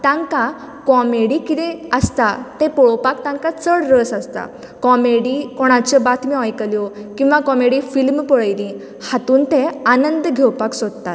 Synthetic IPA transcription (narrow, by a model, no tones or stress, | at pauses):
t̪ãŋkã | kɔmeɽikit̪ɛəst̪at̪ɛ̃pɔɭpak̚t̪ãŋkat͡səɽɾəsast̪a̰ | kɔmeɽikɔɽ̃at͡ɕəbat̪ʰmiajkəljɔkĩw̃ʋakɔmeɽifilmpəɭəjlĩ | hat̪uːnt̪ẽanənd̪ɡʱewpaksɔd̪t̪a̰t̪